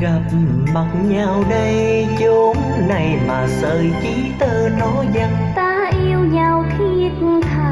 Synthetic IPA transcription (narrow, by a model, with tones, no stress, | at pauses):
ɣa˨˩p̚ma˨˩t̚ɲaː˨˩wɗə˧j | t͡ɕo˨˦ŋ | na˨˩jmaː˨˩səː˨˩jt͡ɕi˨˦t̪əː˧nɔ˨˦zə˧˩t̚t̪aː˧ʔi˧əwɲaː˨˩wk̪ʰi˧˨˧kʰa˨˩